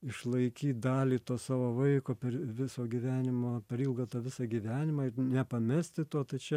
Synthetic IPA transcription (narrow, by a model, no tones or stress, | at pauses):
ɪʃlˠɐɪkʲiːt̪̚d̪ɑːlʲiːt̪oːsɑːʋoːʋɐɪkoːpʲɛɾʋʲɪsoːɡʲiʋʲæːnʲɪmoːpʲɐɾiːlˠɡoːt̪ɑːʋʲɪsɑɡʲiʋʲæːnʲɪmɑːɪɾnʲɛpɐmʲɛsʲt̪ʲɪt̪oɔt̪ɐɪt͡ʃʲɛ